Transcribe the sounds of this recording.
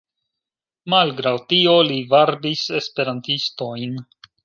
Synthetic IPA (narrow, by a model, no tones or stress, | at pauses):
malɡɾawtio̞livaɾbise̞spe̞ɾantisto̞jn